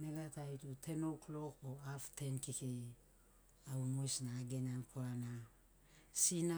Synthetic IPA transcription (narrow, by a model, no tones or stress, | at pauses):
neɡatajtutʰe̞no̞klo̞k̚oaftʰe̞nkikej | awmojsnaːɡenankʰoana | sina